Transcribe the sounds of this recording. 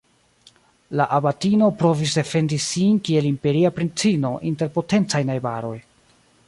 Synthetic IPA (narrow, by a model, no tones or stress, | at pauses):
laʔabatino̞pɾo̞vis̬de̞fe̞ndisinkie̞limpe̞ɾiapɾint͡sino̞ʔinte̞ɾpo̞te̞nt͡sajnajbaɾo̞j